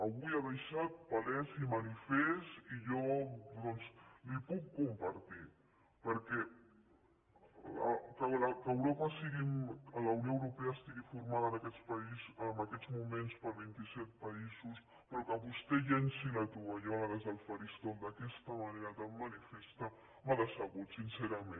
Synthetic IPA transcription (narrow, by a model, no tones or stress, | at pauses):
əβuiaðajʃat̪̚palɛsimanifɛst̪iʒɔd̪ɔnslipukːumpɐɾt̪i | pəɾkɛ | kəlakəːwɾopəsiɣimələwnijoəwɾupɛaːst̪iɣifuɾmaðəːnɐkɛspɐizəmbəkɛd̪d͡zmumenspəɾβint̪isɛt̪̚pɐizus | pɾɔkəβust̪ɛʎɛnsilat̪uβaʎɔaɣaðəzðəlˠfaɾist̪ɔld̪əkɛst̪əmɐneɾat̪amːənifɛst̪a | maðəsəɣut̪sinsɛɾamen